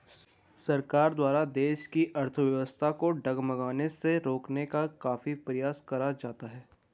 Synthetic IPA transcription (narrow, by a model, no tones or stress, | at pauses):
sɐɾkaːɾd̪waːɾad̪eːʃkiʔɐɾt̪ʰəʋjɐʋəst̪ʰakoɖɐɡmɐɡaːneseɾoːknekakaːfipɾɐjaːskɐɾad͡ʒaːt̪aɦɛː